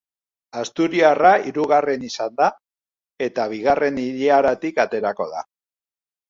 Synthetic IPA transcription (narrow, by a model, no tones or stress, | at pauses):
ast̪uɾiaraiɾuɣare̞nisand̪a | e̞t̪aβiɣare̞niʎiaɾat̪ikat̪e̞ɾako̞ð̞a̰